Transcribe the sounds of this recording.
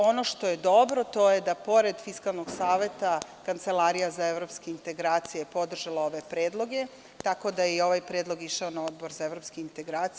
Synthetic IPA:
o̞no̞ʃt̪o̞je̞d̪o̞bɾo̞t̪o̞jed̪apo̞ɾe̞d̪fiskalˠnoɡsaːʋe̞t̪akant̪se̞laːɾijazaeʋɾo̞ːpskeint̪e̞ɡɾaːt̪sijepod̪r̩ʒalao̞ʋe̞pɾeːd̪lˠo̞ɡe̞ | t̪ako̞d̪ajeio̞ʋajpɾeːd̪lˠo̞ɡiʃaonao̞d̪boɾzaevɾo̞pskeint̪eɡɾaːt̪s

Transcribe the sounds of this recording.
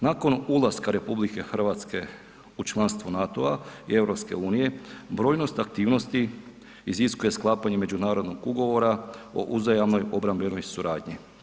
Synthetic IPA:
nako̞nulˠaskaɾe̞publike̞xr̩ʋat̪ske̞ | ut͡ʃlˠanst̪ʋunat̪oaḭe̞ʋɾo̞pske̞̰uːnije̞bɾo̞ːjno̞st̪ak̚t̪iːʋno̞st̪i | iziskuje̞sklˠaːpaɲe̞me̞d͡ʑunaːɾo̞d̪no̞ɡuɡo̞ʋo̞ɾao̞̰ʔuzajamno̞jo̞bɾambleno̞jsuɾaːd̪ɲi

